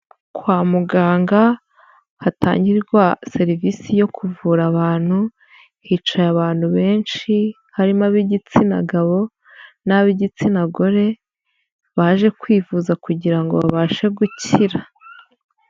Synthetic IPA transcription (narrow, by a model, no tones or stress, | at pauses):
kwaːmuɡaːŋɡa | hata̰ːɲɟiɾɡwase̞ɾivisijo̞kʰuvuːɾaβaːn̥hu | hiːt͡ʃajaβaːn̥huβe̞ːnʃi | haɾimaβiɟit͡sina̰ɡaβo̞ | naβiɟit͡sinaɡo̞ɾe̞ | βaʒe̞kwiːvuːzakuɟiɾaŋɡo̞̰βa̰βaʃe̞ɡuciɾa